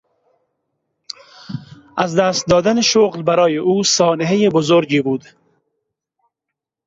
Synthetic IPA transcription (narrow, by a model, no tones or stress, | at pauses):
azd̪æst̪̚d̪ɒːd̪aneʃoɣlbaɾɒːjeʔuːsɒːneɦejebozoɾd͡ʒiːbuːd̪